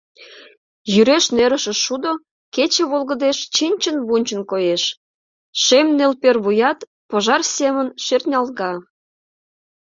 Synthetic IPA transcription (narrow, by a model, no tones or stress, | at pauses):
jyɾeʃneɾəʃəʃud̪o | ket͡ɕĕβolɣə̆d̪eʃt͡ɕinʲt͡ɕənβunʲt͡ɕənkojeʃ | ʃemnelperβujɑt̪ | poʒɑrsemənʃert̪nʲɑlˠɣɑ